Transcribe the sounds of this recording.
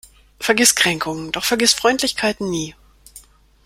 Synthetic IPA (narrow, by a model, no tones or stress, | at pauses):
fɛɐɡɪstkʁ̥ɛŋkʰʊŋənd̥ɔχfɛɐɡɪstfʁ̥ɔʏntʰlɪçkʰaɪtn̩niː